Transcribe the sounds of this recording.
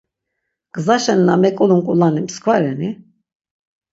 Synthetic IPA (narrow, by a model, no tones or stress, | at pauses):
ɡ̥ʼəzaʃɛniːamɛkʼɔlunkʼulanimskʰvaɾɛni